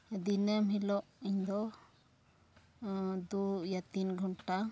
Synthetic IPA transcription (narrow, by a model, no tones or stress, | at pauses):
d̪inəmɦilɔʔiɲd̪ɔ | d̪ujat̪inɡʱɔɳʈa